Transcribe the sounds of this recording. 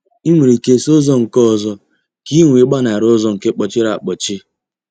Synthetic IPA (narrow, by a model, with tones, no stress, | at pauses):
i˦ŋʷi˨ɾi˨ke˦so˦zɔ˦ŋ̩˨kɔ˦˨zɔ˦ | ki˦ŋʷe˨˦ɡ͡ba˦na˨ɾo˦zɔ˦ŋ̩˨ke˦k͡pɔ˨t͡ʃɪ˦ɾa˨a˨k͡pɔ˨t͡ʃɪ˦